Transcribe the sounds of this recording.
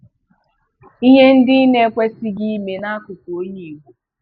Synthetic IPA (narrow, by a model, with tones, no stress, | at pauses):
i˦ɦe˦n̩˦dɪ˦i˦ne˦kʷe˦si˦ɡi˦me˨na˦kʊ˨to˦ɲe˨ɡʷu˦